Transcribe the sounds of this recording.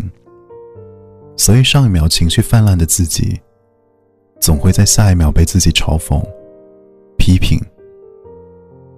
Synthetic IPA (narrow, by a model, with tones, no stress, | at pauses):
ŋ | swɔ˧˥i˨˩ʂɑ˥˧ŋi˥˩mjɑ˧˥ʊt͡ɕʰi˧˥ŋɕy˥˧fa˥˧nla˥˩nd̪ə˩t͡sɹ̩˥˩t͡ɕḭ˨˩˦ | t͡sʊ˨˩ŋxwe˥˧ɪt͡sa˥˧ɪɕja˥˧˥mjɑ˧˥ʊpe˥˩ɪt͡sɹ̩˥˩t͡ɕi˨˩ʈ͡ʂʰɑ˧˥ʊfʊ̰˧˥˦ŋ | pʰi˧˥pʰḭ˨˩˦ŋ